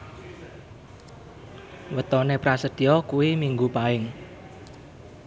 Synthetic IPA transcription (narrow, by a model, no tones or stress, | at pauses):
wət̪ɔnepɾasəd̪̥i̤ɔkuwimiŋɡupaɪŋ